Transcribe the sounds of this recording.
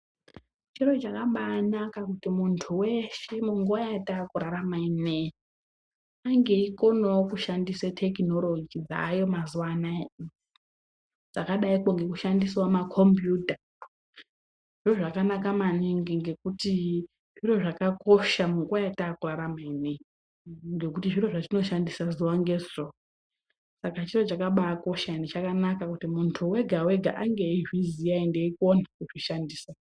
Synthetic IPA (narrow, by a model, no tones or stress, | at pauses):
t͡ʃirot͡ʃakaɓaːnakakutimuntʰuweʃe̞muŋɡuajaataːkuɾaɾamainejo | aŋɡe̞iko̞nowokuʃandisatʰekno̞lod͡ʒid͡za̰ːjo̞mazuwana | d͡zakaɗaikoŋɡe̞kuʃandiswamakʰo̞mbjuːta | ʐ̥iro̞ʐakanakamaniŋɡiŋɡe̞kuti | ʐiro̞ʐakako̞ʃamuŋɡwajatakuraɾamene | ŋɡe̞kutiʐiro̞ʐatino̞ʃandisazuwaŋɡe̞zro | sakat͡ʃiro̞t͡ʃakaɓaːko̞ʃandit͡ʃakanakakutimuntʰuwe̞ɡʱawe̞ɡʱa̰ʔaŋɡe̞iʐizijaindeikonakuʐiʃandiːsa